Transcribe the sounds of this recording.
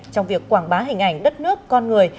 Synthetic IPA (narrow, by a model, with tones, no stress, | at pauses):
t͡ɕɔ˧wŋ͡mvi˨˩əkːwaː˧˩ŋɓaː˨˦ɦï˨˩ŋ̟ʔa˧˩jŋ̟ɗə˦˥t̚nɨ˦˥əkːɔ˧nŋɨ˨˩əj